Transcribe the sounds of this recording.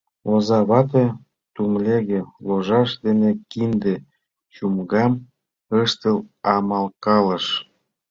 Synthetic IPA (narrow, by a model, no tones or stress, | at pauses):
ozɑβɑt̪̬e | t̪umlʲeɣĕloʒɑʃd̪enekind̪ĕ | t͡ɕumɣɑm | ɤəʃt̪ə̆lɑmɑlkɑlə̆ʃ